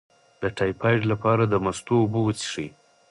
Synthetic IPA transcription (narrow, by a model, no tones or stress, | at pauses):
d̪əʈʰɑjpʰɑjɖlapɑɾad̪əmast̪oːbowət͡si̥ʂij